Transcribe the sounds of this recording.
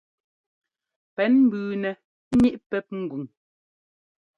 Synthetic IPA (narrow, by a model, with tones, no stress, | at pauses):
pɛ˨˦nm̩˦bʉː˨nɛ˨˦ | ɲi˦ʔpɛ˦p̚ŋ̩˨ɡu˨ŋ